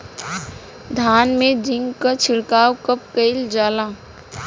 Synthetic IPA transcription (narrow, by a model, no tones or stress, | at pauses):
d̪ʱaːnmẽd͡ʒɪ̃ŋɡkat͡ʃʰɪɽkaːwkəp̚kəɪld͡ʒaːlaː